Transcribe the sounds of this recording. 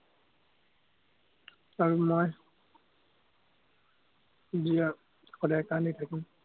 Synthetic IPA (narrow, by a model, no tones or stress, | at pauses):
aɹumoj | zija | kɔdakanejtʰakim